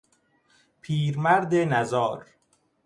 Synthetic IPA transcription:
pʰiːɾmæɾd̪enæzɒːɾ

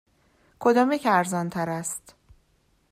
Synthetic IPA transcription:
kʰod̪ɒːmecʰæɾzɒːnt̪ʰæɾæst̪

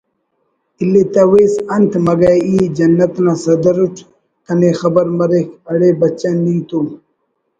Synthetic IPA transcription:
ilet̪ɐweːsɐnt̪ʰmɐɡaiːd͡ʑɐnːɐt̪nasɐd̪ɐɾuʈʰ | k̪ɐnexɐbɐɾmɐɾekɐɽeːbɐt͡ɕɐnit̪u

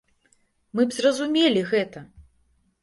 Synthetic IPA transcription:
mɨbzrɐzumʲelʲiɣɛt̪ɐ

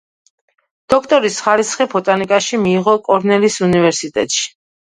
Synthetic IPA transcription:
d̪̥ɔkʰt̪ʼɔɾisχaɾisχɛpʰɔt̪ʼanikʼaʃimiːʁɔkʼɔɾnɛlisunivɛɾsit̪ʼɛ̰t̪ʼʃi̥

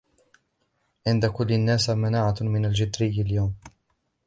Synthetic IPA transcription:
ʕɪnd̪akʊlːɪnːaːsmanaːʕamɪnald͡ʒɪd̪ɾɪjːaljawm

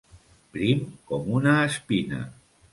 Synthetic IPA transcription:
pɾimkɔmunaːspina̰

